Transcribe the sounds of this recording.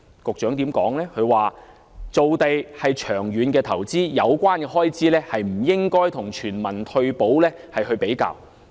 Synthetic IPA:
kʊ˨k̚t͡ʃœː˨˥ŋt̪iː˨˥mkɔː˨˥ŋlɛː˥kʰɵ˨˧waː˨˩ | t͡so˨wt̪e˨jhɐ˨jt͡ʃʰœː˨˩ŋɥyː˨˧nkɛː˧t̪ʰɐ˨˩wt͡siː˥jɐ˨˧wkʷaː˥nkɛ˧ɦɔː˥jt͡siː˥lɛː˥hɐ˨jm̩˨˩jɪ˥ŋkɔː˥jt̪ʰʊ˨˩ŋt͡ʃʰyː˨˩nmɐ˨˩nt̪ʰɵ˧ɥpo˨˥wlɛː˥ | hɐ˨jhɵ˧ɥpe˨˥jka̰ː˧˨w

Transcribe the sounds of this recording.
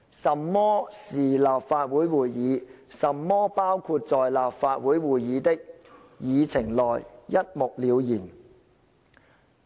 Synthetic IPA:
sɐ˨mːɔː˥siː˨˩laː˨pfaː˧t̚wuː˨˥jwuː˨˩jjiː˨˧˦sɐ˨mːɔː˥paː˥wkʰu˧t̚t͡sɔː˨jlaː˨pfaː˧t̚wuː˨˥jwuː˨˩jːiː˨˧t̪ɪ˥k̚ | jiː˨˧t͡sʰɪ˨˩ŋlɔː˨jjɐ˥t̚mʊ˨k̚liː˨˧wjiː˨˩n

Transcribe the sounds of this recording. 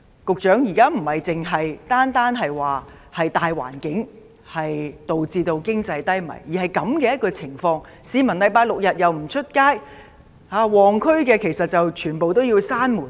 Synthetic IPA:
kʊ˨k̚t͡ʃœː˨˥ŋjiː˨˩kaː˥m̩˨˩hɐ˨jt͡sɪ˨ŋɦɐ˨jt̪aː˥nt̪aː˥nɦɐ˨jwaː˨ | hɐ˨jt̪aː˨jwa̰ː˨˩nkɪ˨˥ŋ | hɐ˨jt̪o˨wt͡siː˧t̪o˧wkɪ˥ŋt͡sɐ˧jt̪ɐ˥jmɐ̰˨˩jjiː˨˩hɐ˨jkɐ˨˧˥mkɛː˧jɐ˥t̚kɔː˧t͡sʰɪ˨˩ŋfɔː˧ŋ | siː˨˧mɐ˨˩nlɐ˨˧jpaː˧k̚lʊ˨k̚jɐ˨t̚jɐ˨wm̩˨˩t͡ʃʰɵ˥t̚kaː˥j | aː˧wɔː˨ŋkʰɵ˥ɥkɛː˧kʰe˨˩jsɐ˨t̚t͡sɐ˨wt͡ʃʰyː˨˩npo˨wt̪o˥wjiː˧wsaː˥nmuː˨˩

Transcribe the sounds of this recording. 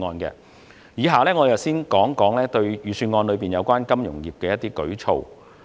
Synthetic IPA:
ŋɔː˧nkɛ̰ː˧ | jiː˨˧ɦaː˨lɛː˥ŋɔː˨˧jɐ˨˩wsiː˥nkɔː˨˥ŋkɔː˨˥ŋlɛː˥t̪ɵ˧ɥjyː˨syː˧nŋɔː˧nlɵ˨˧ɥpiː˨˩njɐ˨˧wkʷaː˥nkɐ˥mjʊ˨˩ŋjiː˨˩p̚kɛː˧jɐ˥t̪iː˥kɵ˨˥ɥt͡sʰo̰˨w

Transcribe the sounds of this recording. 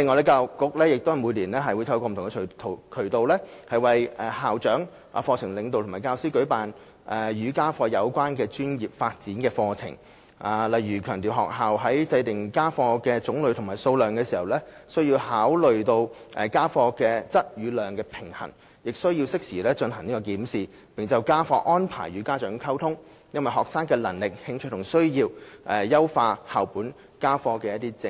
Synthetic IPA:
lɪ˨ŋɔː˨˧lɛ˧˥kaː˧wkʊ˨˥k̚lɛː˥jɪ˨k̚t̪whɐ˨˩muː˨˧jliː˨˩nlɛː˥ɦɐ˨jwuː˨˧jt̪ʰɐ˧wkɔ˧m̩˨t̪ʊ˨ŋɛ˧˨˩t̪ʰo˨kʰɵ˨˩ɥt̪o˨wlɛː˥hɐ˨jwɐ˨jʔɛː˨˩haː˨wt͡ʃœː˨˥ŋ | ʔa̰˨fɔː˧t͡sʰɪ˨˩ŋlɪ˨˧ŋt̪o˨wt̪ʰmaː˨˩kaː˧wsiː˥wkɵ˨˥ɥpaː˨n | ʔɛː˨jyː˨˧˥kaː˥fɔː˧jɐ˨˧wkʷaː˥nkɛː˧t͡ʃyː˥njiː˨p̚faː˧t̚t͡siː˨˥nkɛː˧fɔː˧t͡sʰɪ̰˨˩ŋ | ʔaː˨lɐ˨jɥyː˨˩kʰœː˨˩ŋt̪i˨wɦɔ̰ː˨k̚ɦaː˨wɦɐ˨˥jt͡sɐ˧jt̪ɪ˨ŋkaː˥fɔː˧kɛː˧t͡sʊ˨˥ŋlɵ˨˧ɥt̪ʰmaː˨˩jso˧wlœː˨˩ŋkɛː˧siː˨˩hɐ˨wlɛː˥sɵ˥ɥjiː˧whaː˨˥wlɵ˨ɥt̪o˧wʔɛ˨kaː˥fɔː˧kɛː˧t͡sɐ˥t̚jyː˨˧lœː˨ŋkɛː˧pʰɪ˨˩ŋhɐ̰˨˩n | jɪ˨k̚sɵ˥ɥji˧wsɪ˥k̚siː˨˩lɛː˥t͡ʃɵ˧nhɐ˨˩ŋniː˥kɔː˧k̬iː˨˥msiː˨ | pɪ˨ŋt͡sɐ˨wkaː˥fɔː˧ʔɔː˥npʰa̰ː˨˩jɥyː˨˧kaː˥t͡ʃœː˨˥ŋkʰɐ˥wt̪ʰʊ˥ŋ | jɐ˥nwɐ˨jɦɔː˨k̚saː˥ŋkɛː˧lɐ˨˩ŋlɪ˨k̚hɪ˧ŋt͡ʃʰɵ˥t̚t̪ʰʊ˨˩ŋsɵ˥ɥjiː˧wʔɛː˨jɐ˥wfaː˧haː˨wpuː˨˥n | kaː˥fɔː˧kɛ˧jɐ˥t̚t̪i˥t͡sɪ˧

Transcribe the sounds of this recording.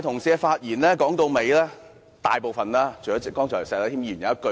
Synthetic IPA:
t̪ʰʊ˨˩ŋsiː˧faː˧t̚jiː˨˩nlɛː˥kɔː˨˥ŋt̪o˧wme˨˧jlɛː˥ | t̪a̰ː˨jpo˨˩wfɐ˨nlaː˥t͡ʃʰo˨˩jɔ˨˦˥t͡skɔː˥ŋt͡ʃʰɔː˨˩sɛː˧˩laː˨˥t̪ʰiː˥m˧yː˨˩njɐ˨˦ɐ˥kɵ˧

